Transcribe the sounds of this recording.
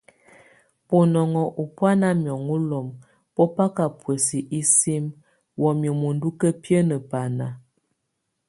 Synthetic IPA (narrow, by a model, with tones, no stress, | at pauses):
po˨nɔ˨ŋɔ˨ʔu˨pwa˦na˦mjɔ˨ŋu˦lɔ˨m | pɔ˦pa˦ka˨pwə˨si˨ʔi˦si˦m | wɔ˨mjə˨mu˨n˦du˦kə˦pjə˦nə˨pa˨na˨